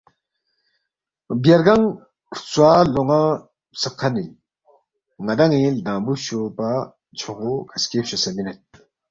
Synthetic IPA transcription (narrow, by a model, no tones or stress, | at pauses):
bjaɾɡaŋ | t͡swaloŋa | səkʰːani | ŋad̪aŋid̪abuɕopa | t͡ɕʰoχokaskepɕəsaminet̪̚